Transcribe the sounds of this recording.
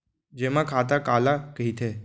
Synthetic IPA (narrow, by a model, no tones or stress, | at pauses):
d͡ʒemãkʰaːt̪̬akaːlakəɦit̪ʰe